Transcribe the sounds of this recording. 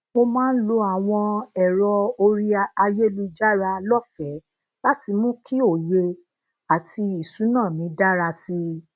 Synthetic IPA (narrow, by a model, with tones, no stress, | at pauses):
mo˧mãː˦n̩˦lo˧a˨w̃ɔ̃˧ɛ˨ɾɔ˧o˧ɾi˦a˧je˦lu˧d͡ʒa˦ɾa˧lɔ˦fɛ˨˦ | la˦ti˧mũ˦kʰi˦o˦˨je˧ | a˨tʰi˧i˨sũ˨˦nãː˦˨mĩ˨˦da˦ɾa˧si˧